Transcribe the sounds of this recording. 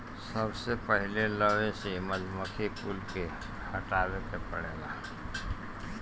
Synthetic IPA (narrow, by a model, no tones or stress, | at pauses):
səbsepəɦɪleləʋeseməd͡ʒʱməkʰepulke | həʈaːwet̪epəɽ̃eːlaː